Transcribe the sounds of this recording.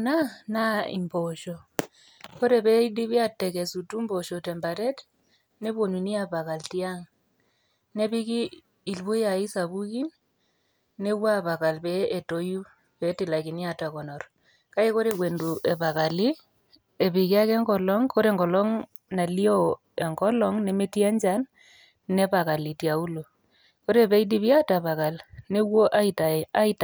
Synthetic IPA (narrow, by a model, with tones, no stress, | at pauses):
na˦na˦ḭ˨mbɔ˨ʃɔ˨ | ko˦ɾɛ˨pɛ˦i˦di˦βi˦a˦tɛ˨kɛ˨su˨tu˦mbɔ˨ʃɔ˨tɛ˨mba˨ɾɛ˦t | ne˦βwo˨nu˨ni˦a˨pa˨ka˨lti˦a˦ŋ | nɛ˦βi˦kiː˦˨ | lbu˦ja˨i˦sa˨βu˦ki˦n | ne˦wa˦βa˨ka˨lpɛː˦˨to˨ju˦ | pɛ˦tɪ˨la˨kɪ˨nja˨ta˨kɔ˨nɔ˨r | ka˦i˦ko˦ɾe˨kwe˨ndu˨ʔe˨pa˨ka˨li˦ | e˨pi˨ki˦a˦kɛ˦ŋɡɔ˨lɔ˦ŋkʰo˦ɾe˨ŋɡɔ˨lɔ˦ŋ | na˨li˦ɔ˦ | e˨ŋɡɔ˦lɔ˦ŋnɛ˦me˦ti˦ɛ˦ɲd͡ʒa˦n | nɛ˦pa˨ka˨li˨tja˨u˦lo˨ | ko˦ɾe˦˨pɛ˦i˦di˦pja˦ta˨pa˨ka˨lne˦wo˦ʔa˦ita˨a˦i˦ta˨